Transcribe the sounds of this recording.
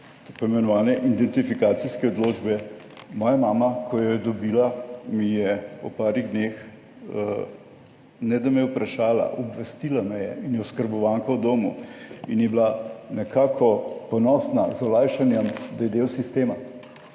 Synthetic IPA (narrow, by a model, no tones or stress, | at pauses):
t̪opɔimɛnɔʋaːnɛʔid̪ɛnt̪ifikaːt̪siskɛod̪loːd͡ʒbɛ | mɔːjamaːmakʰɔjɔjɛd̪ɔbiːlamijɛɔpaːɾiɣd̪nex | nɛd̪ɐmɛjɛwpɾaʃaːla̰ʔɔbʋɛst̪ilamɛjɛ̰injɛɔskəɾbɔʋaŋkawd̪oːmuinjɛblanɛkʰaːkʰɔpɔnɔːsnazɔlaːjʃanjɛmd̪ajɛd̪eːwsist̪eːma